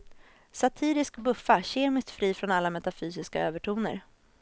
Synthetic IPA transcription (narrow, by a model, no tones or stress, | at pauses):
sat̪ʰiːɾɪskbɵfːaɕeːmɪst̪fɾiːfɾɔnalːamɛt̪afyːsɪskaøːvəʈʰuːnə̰ɾ